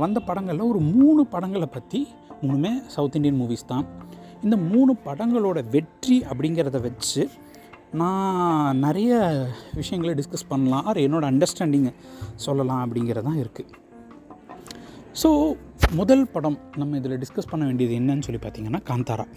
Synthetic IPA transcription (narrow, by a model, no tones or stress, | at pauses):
ɐnd̪ɐpɐɽɐŋɡɐɭːɔɾɯmuːɳɯpɐɽɐŋɡɐɭpːɐt̪ːi | mʊnːɯmeːsɐʊt̪ɪɳɖɪjɐnmuːʋiːst̪ãːn | ɪnd̪ɐmuːɳɯpɐɽɐŋɡɐɭoːɽɐʋɛʈriʔɐpːɐɽɪŋɡɪɾɐðɐʋɐt͡ʃːɯ | nãːnɪɾɐjɐʋɪʂɐjɐŋɡɐɭɖɪskɐspɐɳːɐlãːʔɐɾɯɛnːoːɽɐɐɳɖɐɾsʈaːɳɖɪŋɡɐsɔlːɐlãːɐp̬ːɐɽɪŋɡɪɾɐt̪ãːɪɾɯkːɯ | soː | mʊðɐlpɐɽɐmnɐmːɐɪðɪlɐɖɪskɐspɐɳːɐʋeːɳɖɪjɐðɯɛnːɐnːɯsɔlːipaːɾt̪iːŋɡɐnːaːkaːnt̪aːɾã̰ː